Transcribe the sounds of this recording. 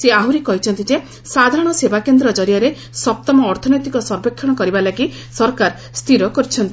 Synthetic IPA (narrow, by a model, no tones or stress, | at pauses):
seaɦuɾikɔɦit͡ʃʰɔnt̪id͡ʒe | sad̪ʱaɾɔɽ̃ɔsebakend̪ɾɔd͡ʒɔɾijɔɾe | sɔp̚t̪ɔmɔːɾt̪ʰɔnɔjt̪ikɔsɔɾbekʰːjɔɽ̃ɔkɔɾibalaɡi | sɔɾkaɾ | st̪ʰiɾɔkɔɾit͡ʃʰɔnt̪i